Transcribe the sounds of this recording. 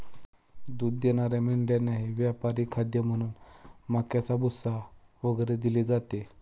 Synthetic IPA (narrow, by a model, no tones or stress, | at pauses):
d̪uːd̪jeñaɾjamiɳɖjanaɦiʋjapaɾiːkʰad̪jəm̤əɽ̃uːnmakjat͡sabusa | ʋəɡəɾed̪iled͡zat̪e